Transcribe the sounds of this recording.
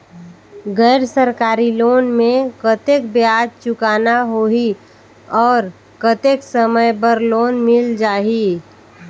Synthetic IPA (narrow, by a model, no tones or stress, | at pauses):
ɡɛːɾsəɾkaːɾiloːnmẽkət̪ekbjaːd͡ʒt͡ʃʊkaːnaɦoɦi | ɔːɾ | kət̪eːksəməjbəɾloːnmɪld͡ʒaːɦi